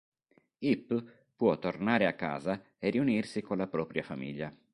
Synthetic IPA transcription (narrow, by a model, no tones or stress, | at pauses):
ipː | pwɔt̪ːornaːɾeakːa̰ːza | eriunirsikonlapɾɔːpɾjafamḭʎːa